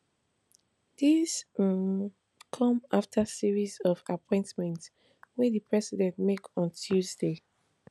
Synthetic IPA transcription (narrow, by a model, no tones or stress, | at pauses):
d̥is | kʰɔ̃maftʰəsiɹizɔvapʰɔ̃ɪ̃ntmɛ̃nt | wɛðipʰɹɛsidɛ̃ntmekɔ̃ntʰjuzde